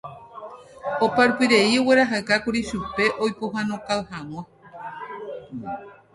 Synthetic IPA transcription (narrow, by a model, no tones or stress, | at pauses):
opaɾpiɾe̞ioweɾaɦakakuɾiʃupe̞ʔojpoɦãnõkawhãw̃ã